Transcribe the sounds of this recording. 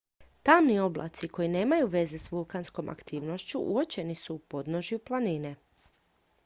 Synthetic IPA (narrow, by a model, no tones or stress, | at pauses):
t̪amnio̞blˠa̰t̪siko̞ine̞ːmajuʋe̞ze̞sʋulˠkansko̞mʔa̰kt̪ʰiːʋno̞ʃt͡ɕuʔṵot͡ɕe̞nisuːpo̞d̪no̞ʒjuplˠanine̞